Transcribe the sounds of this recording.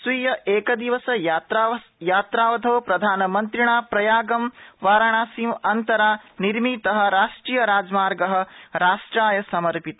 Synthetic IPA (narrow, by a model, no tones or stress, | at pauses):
sʋijɐʔeːkɐd̪iʋɐsɐjt̪ɾajaːt̪ɾaːʋɐd̪ʰʱɐʋpɾɐd̪ʱaːnɐmɐnt̪ɾiɳaːpɾɐjaːɡɐmʋaːɾɐɳaːsimɐnt̪ɐɾaːniɾmit̪ɐɦɐ̆ɾaːʂʈɾiːjɐɾaːd͡ʒmaːɾɡɐɦɐ̆ɾaːʂʈɾaːjɐsɐmɐɾpit̪ɐ